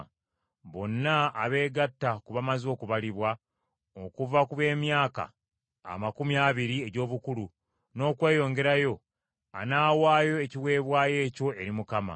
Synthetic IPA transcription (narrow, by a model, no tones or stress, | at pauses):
βo̞nːaaβe̞ːɡatːakuβamazo̞ːkuβaliβwa | o̞kuvakuβe̞ːmjaːka̰ | a̰makumiaːβiɾie̞ɟo̞ːβukulu | no̞ːkwe̞ːjo̞ːŋɡe̞ɾajo̞ | a̰naːwaːjo̞eciwe̞ːβwaːje̞ːco̞e̞ɾimukama̰